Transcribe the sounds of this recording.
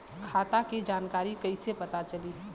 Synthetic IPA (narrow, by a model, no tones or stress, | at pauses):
kʰaːt̪akid͡ʒaːnkaːɾikɐisepɐt̪at͡ʃɐli